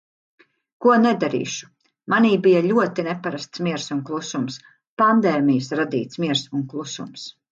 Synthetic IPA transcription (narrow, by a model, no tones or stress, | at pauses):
kuɔnɛd̪aɾḭːʃu̥ | maniːbijaʎʲuɔt̪inɛpaɾast̪smʲiɛɾsunklˠusums | pand̪ɛːmijusɾad̪iːt̪smiɛɾsunklˠusṵms